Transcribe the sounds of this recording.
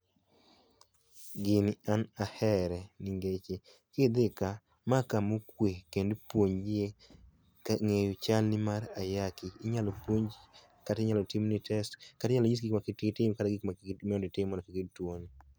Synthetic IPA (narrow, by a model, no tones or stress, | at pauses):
ɡɪnɪanahɛɾɛnɪŋɡet͡ʃe | kɪd̪ɪka | makamukwekendpwoɲd͡ʒɪe | kaŋejot͡ʃalnɪmaɾajakɪːɲalɔpwoɲd͡ʒ | katɪɲalɔtimnɪtʰɛstkatɪɲalɔɲisɡikmakɪttɪmkataɡikmamɛɔndɪtɪmɔdɔkɪkidtwon